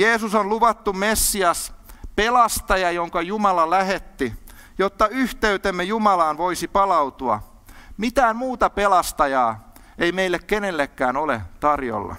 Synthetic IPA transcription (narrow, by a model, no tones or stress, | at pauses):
jeːsusonluʋɑt̪ːummesːiɑspelɑst̪ɑjɑjoŋkɑjumɑlɑlæhet̪ːi | jot̪ːɑyht̪eyt̪emːejumɑlɑːnʋoisipɑlɑut̪uɑ̰ | mit̪æːmmuːt̪ɑpelɑst̪ɑjɑː | eimeilːekkenelːekːæːnolḛt̪ɑrjo̰lːɑ̰